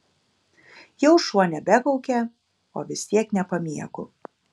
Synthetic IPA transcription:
jɛʊʃuɔnʲɛbʲækɔʊkʲɛ | o̰ːʋʲɪsʲt̪ʲiɛknʲɛpɐmʲiɛkʊ

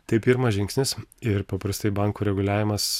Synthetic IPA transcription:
t̪ɐɪpʲɪɾmɐʒʲɪŋksʲnʲɪsɪɾpɐpɾɐst̪ɐɪbɐˑŋkuːɾʲɛɡʊlʲæːʋʲɪmɐs

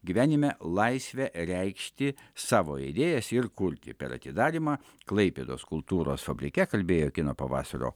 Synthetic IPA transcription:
ɡʲiʋʲæːnʲɪmʲɛlˠɐɪsʲʋʲɛɾʲɛɪkʃʲt̪ʲɪsɑːʋoːḭd̪ʲeːjɛsɪɾkʊɾʲt̪ʲɪ̰pʲɛ̰ɾɐ̰t̪ʲɪd̪ɑːɾʲimɑː | klˠɐɪpʲeːd̪o̰ːskʊlˠt̪uːɾo̰ːsfɐbʲɾʲɪkʲɛkɐlʲbʲeːjoːkʲɪnoːpɐʋɑ̰ːsɐɾo̰ː

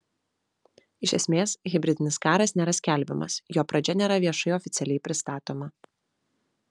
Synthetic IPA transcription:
ɪʃʲɛsʲmʲeːsɣʲɪbʲɾʲɪd̪ʲɪnʲɪskɑːɾɐsnʲeːɾɐsʲkʲæˑlʲbʲɪmɐ̰sjoːpɾɐd͡ʒʲɛnʲeːɾɐʋʲiɛʃɐɪɔfʲɪt̪sʲɛlʲɛɪpʲɾʲɪst̪ɑːt̪oːmɐ

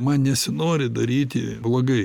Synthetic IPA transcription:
mɐnnʲɛsʲɪnoːɾʲɪd̪ɐɾʲiːt̪ʲɪblˠoːɡɐɪ

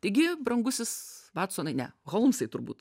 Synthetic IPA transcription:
t̪ɐɪɡʲɪbɾɐŋɡʊsʲɪsʋɑːt̪soːnɐɪnʲɛ̰ɣɔlˠmsɐɪt̪ʊɾbṵːt̪

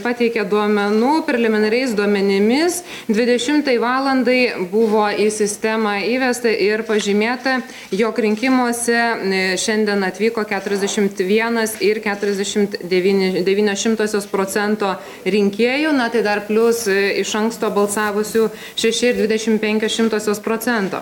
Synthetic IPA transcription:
pɑt̪ʲɛɪkʲɛd̪uɔmʲɛnuːpʲɾʲɛlʲɛmʲɪnɐɾʲɛɪsd̪uɔmʲɛnʲɪmʲɪs | d̪ʲʋʲɪd̪ʲɛʃʲɪmt̪ɐɪʋɑːlˠɐnd̪ɐɪbʊʋoːisʲɪsʲt̪ʲɛmɑiːʋʲɛst̪ɐʔɪɾpɐʒʲimʲeːt̪ɐ | joːkɾʲɪŋʲkʲɪmoːsʲɛʃʲɛnʲd̪ʲiɛnɐt̪ʲʋʲiːkoːkʲæːt̪ʊɾʲɛzd̪ʲɛʃʲɪmt̪ʋʲiɛnɐsɪɾkʲæːt̪ʊɾʲɛzʲd̪ʲɛʃʲɪmt̪d̪ʲɛʋʲiːnʲd̪ʲɛʋʲiːnʲoːsʃʲɪmt̪oːsʲoːspɾoːt͡s̪ʲɛnt̪oː | ɾʲɪŋʲkʲeːjuːnɐt̪ɐɪd̪ɐrpʲlʲʊsɪʃɐŋkst̪oːbɐlˠsɑːʋʊsʲuː | ʃʲɛʃʲɪɪɾd̪ʲʋʲɪd̪ʲɛʃʲɪmpʲɛŋʲkʲoːsʃʲɪmt̪oːsʲoːspɾoːt͡s̪ʲɛnt̪o̰ː

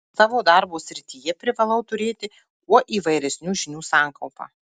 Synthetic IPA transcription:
sɑːʋoːd̪ɑɾboːsʲɾʲɪt̪ʲiːjɛpʲɾʲɪʋɐlˠɐʊt̪ʊɾʲeːt̪ʲɪ | uɔʔiːʋɐɪɾʲɛsʲnʲuːʒʲɪnʲuːsɑːˑŋkɐlˠpɑ̰ː

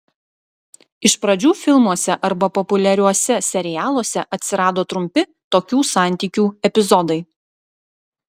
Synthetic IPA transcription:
ɪʃpɾɐd͡ʒʲuːfʲɪlˠmuɔsʲɛʔɐɾbɐpɔpʊlʲɛɾʲuɔsʲɛsʲɛɾʲɪjæːlˠoɔsʲɛʔɐt̪ʲsʲɪɾɑːd̪oːt̪ɾʊmʲpʲɪ | t̪oːkʲuːsɑˑnʲt̪ʲiːkʲuːɛpʲɪzɔd̪ɐɪ

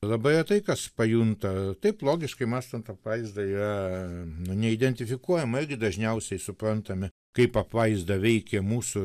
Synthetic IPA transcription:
lˠɐbɐɐt̪ɐɪkɐspɐjunt̪ɐt̪ɐɪplˠoːɡʲɪʃkɐɪmɑːst̪ɐnt̪ɐpʋɐɪzd̪ɐiːrɐnʊnʲɛɪd̪ʲɛnʲt̪ʲɪfʲɪkuɔjɛmɐɪrʲɡʲɪd̪ɐʒʲnʲɛʊsʲɛɪsʊpɾɐnt̪ɐmʲɪ | kɐɪpɐpʋɐɪzd̪ɐʋʲɛɪkʲɛmuːsʊ

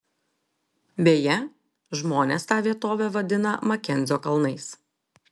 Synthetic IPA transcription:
bʲeːjɛ | ʒmoːnʲeːst̪ɑːʋʲiɛt̪oːʋʲɛʋɐd̪ʲɪnɐmɐkʲɛnʲdzʲoːkɐlˠnɐɪs

